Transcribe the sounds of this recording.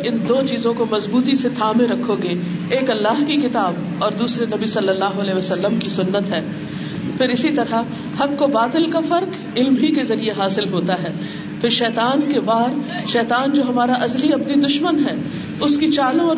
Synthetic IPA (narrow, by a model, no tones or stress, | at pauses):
ɪnd̪oːt͡ʃiːzõkomɐzbuːt̪iset̪ʰaːmẽɾɐkʰːoɡeːeːkɐlːaːɦkixɪt̪aːb | ɔːɾd̪uːsɾenɐbisɐlːəlːaːɦoɐlɛeːʋɐsɐlːəmkisʊnːət̪ɦɛː | pʰɪɾɪsit̪ɐɾa | hɐkːobaːt̪ɪlkafɐɾk | ɪlmɦikezɐɾieɦaːsɪlɦoːt̪aɦɛː | pʰɪɾʃɛːt̪aːnkebaːɾʃɛːt̪aːnd͡ʒoːɦɐmaːɾaʔɐzliɐpnid̪ʊʃmənɦɛː | ʊskit͡ʃaːlõɔː